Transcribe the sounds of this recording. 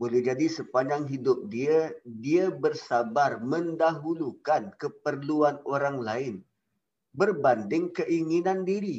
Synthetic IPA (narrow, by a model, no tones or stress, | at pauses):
bolɛhd͡ʒadisəpaɲd͡ʒaŋɦidʊp̚diadiabərsabarmə̃ndaɦulukankəpərluanoɾaŋlaɪn | bərbandɪŋkəʔiŋinãndiɾi